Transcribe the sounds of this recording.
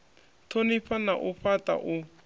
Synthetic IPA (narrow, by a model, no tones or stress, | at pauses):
tʰonipanaʔuɸata̰ʔʊ